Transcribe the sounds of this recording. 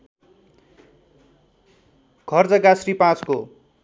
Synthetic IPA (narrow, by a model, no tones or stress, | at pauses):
ɡ̥ʱʌrd͡zʌɡasripãt͡sko